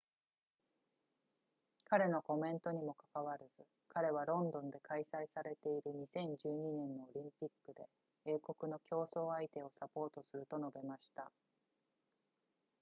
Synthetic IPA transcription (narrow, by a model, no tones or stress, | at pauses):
kaɾe̞no̞ko̞mẽ̞nt̪o̞ɲ̟imo̞kḁkaβaɾɯzɨ | kaɾe̞β̞aɾõ̞nd̪õ̞nd̪e̞kaisaisaɾe̞t̪e̞iɾɯ̟ɲ̟isẽ̞ɲ̟d͡ʑɨːɲ̟inẽ̞nːoːɾʲĩmpʲikːɯ̟d̪e̞ | eːko̞kɯ̟no̞kʲo̞ːso̞ːait̪e̞o̞sapo̞ːt̪o̞sɨɾɯ̟t̪o̞no̞be̞maɕi̥t̪a